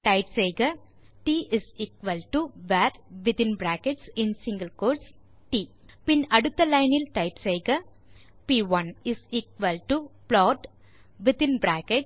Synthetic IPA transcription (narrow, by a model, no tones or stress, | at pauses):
ʈɐɪʈsejɡɐ | ʈiːʔɪsiːkʋɐlʈuʋæɾʋɪt̪ɪ̃nbɾæːkɛʈsɪ̃nsɪ̃ŋɡɐlkoːɾs | ʈiː | pɪnɐɽʊt̪ːɐlɐɪnɪlʈɐɪʈsejɡɐ | piːʋɐ̃nɪsiːkʋɐlʈuplɔːʈ | ʋɪt̪ɪ̃nbɾæːkɛʈ